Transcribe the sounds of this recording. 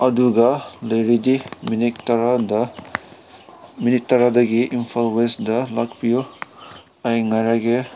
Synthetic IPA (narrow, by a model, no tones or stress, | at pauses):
ɐduɡalɐjɾidiminiktɾd | minik̚tɐɾadɐɡiʔimpʰalwesdalakpijo | ajŋaɾaɡe